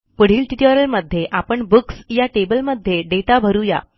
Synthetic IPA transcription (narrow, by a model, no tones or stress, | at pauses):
pəɽ̤iːlʈiʈəɾəɾməd̪ʱjeʔapəɳbuksjaʈebəlməd̪ʱjeɖeʈabʱəɾuja̰